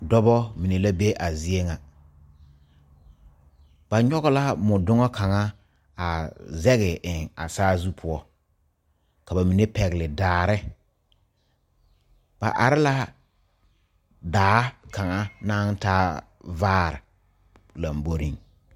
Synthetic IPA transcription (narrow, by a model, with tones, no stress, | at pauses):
dɔ˦bɔ˦mi˨ne˨la˦be˦ʔa˨zi˦e˦ŋa˨ | b̥a˨ɲɔ˦ɣɔ˦la˦mʊ˨dʊ˦ŋɔ˦kʰa˨ŋa˦ | a˨zɛ˦ɣɪ˨ʔɪ˨ŋa̰˨saː˦zu˦pʰʊ˦ɔ˦ | ka˨ba˨mi˨ne˦pɛ˨ɣɪ˨lɪ˨daː˨ɾɪ˦ | b̥a̰˨ʔa̰˨ɾɪ˦la˦ | daː˨˦ka˨ŋa˦naː˦n˦taː˦ | vaː˦˨ɾɪ̰˨ | la˨mbo˦ɾi˦ŋ